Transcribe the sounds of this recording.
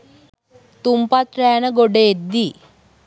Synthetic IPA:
t̪umpat̪ɾɐjanɐɡoɖeed̪ːi

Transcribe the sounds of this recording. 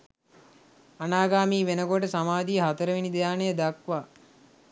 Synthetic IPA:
anaːɡaːmiːʋenəɡoʈəsamaːd̪ijəɦat̪əɾəʋinid̪ejaːnəjəd̪akʋaː

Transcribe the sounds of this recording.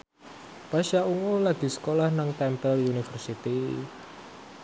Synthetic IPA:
paʃauŋolaɡ̥i̤sə̥kolahnaŋt̪ɛmpɛljunifərsit̪i

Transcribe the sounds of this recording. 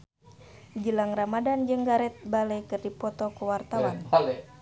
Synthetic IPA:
d͡ʒəlaŋramadand͡ʒɨŋɡaɾɛt̪̚baləjkɨrdipɔt̪ɔkuwart̪awan

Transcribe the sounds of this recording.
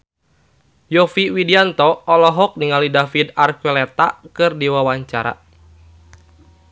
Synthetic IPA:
jɔfiwidiant̪ɔːlɔɦɔk̚niŋalidafidarkɛlɛt̪akɨrdiwawaɲt͡ʃaɾa̰

